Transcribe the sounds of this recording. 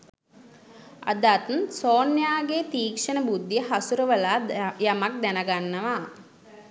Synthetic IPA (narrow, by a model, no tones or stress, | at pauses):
a̰d̪aːt̪unsoːnjaːɡeːt̪iːkʂənəbud̪ːijəɦasuɾəʋəlaːjamak̚d̪ænaɡanːəʋa